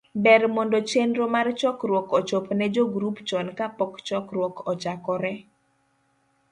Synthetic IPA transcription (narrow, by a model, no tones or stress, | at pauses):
bɛrmondot͡ʃendɾomart͡ʃɔkrwɔkɔt͡ʃopnɛd͡ʒoɡɾupt͡ʃɔnkapɔkt͡ʃɔkrwɔkɔt͡ʃakɔɾɛ